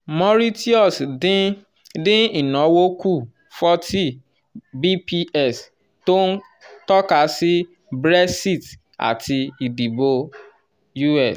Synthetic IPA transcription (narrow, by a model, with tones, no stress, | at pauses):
mɔ˦ɾi˦ti˦ɔ˦˨s | dĩ˦i˨nɔ˨˦wo˦ku˦˨ | fɔ˦tʰi˦ | bi˦pi˦ɛ˦˨s | to˦n˦ | tɔ˦ka˨˦si˦ | bɾɛ˦si˦˨t | a̰˨tʰi˨i˨di˨bo˦ | ju˦ɛ˨s